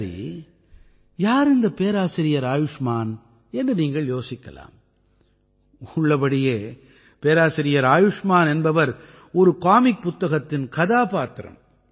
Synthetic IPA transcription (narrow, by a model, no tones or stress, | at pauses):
ɾḭ | jaːɾɪnd̪ɐpeːɾaːsɪɾɪjɐɾaːjʊʂmaːn | ɛndrɯniːŋɡɐɭjoːsɪkːɐ̰la̰ːm | ʊɭːɐpɐɽɪjeː | peːɾaːsɪɾɪjɐɾaːjʊʂmaːnɛnbɐʋɐɾ | ɔɾɯkaːmɪk̚pʊt̪ːɐɣɐt̪ːɪnkɐðaːpaːt̪ɪɾɐ̰m